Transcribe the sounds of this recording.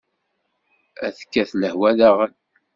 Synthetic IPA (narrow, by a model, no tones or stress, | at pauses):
æðəkːæθləhwæðæʁən